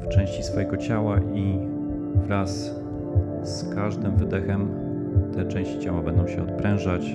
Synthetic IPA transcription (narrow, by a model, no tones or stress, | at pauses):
ft͡ʂɛ̃w̃ɕt͡ɕisfɔjɛɡɔt͡ɕawaʔi | vɾas | skaʐd̪ɘmvɘd̪ɛxɛm | t̪ɛt͡ʂɛ̃ɕt͡ɕi̥t͡ɕawabɛnd̪ɔ̃w̃ɕɛɔt̪̚pɾɛ̃w̃ʐat͡ɕ